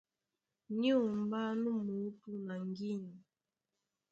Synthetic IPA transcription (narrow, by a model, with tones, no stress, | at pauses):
ni˦ɔ˨mba˦nu˦mu˨˦tu˦na˨ŋɡi˦na˨